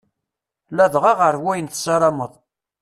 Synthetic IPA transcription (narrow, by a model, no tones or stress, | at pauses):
læðʁɑʁəɾwæjənt̪sɑɾˤɑməðˤ